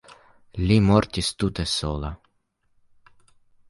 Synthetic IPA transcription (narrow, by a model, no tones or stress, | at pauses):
lʲimɔrt̪ʲist̪ut̪ɛsolˠa